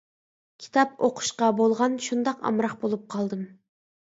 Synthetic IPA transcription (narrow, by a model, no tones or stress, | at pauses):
kʲʰi̥t̪ʰɑp̚oqʰʊ̥ʃqɑbolˠʁɑnʃund̪ɑqɑ̰mɾɑqbolˠup̚qʰɑlˠd̪ɨm